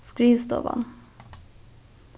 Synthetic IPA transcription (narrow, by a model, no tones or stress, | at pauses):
skɹiːst̪ɔ̰ʋɑ̰n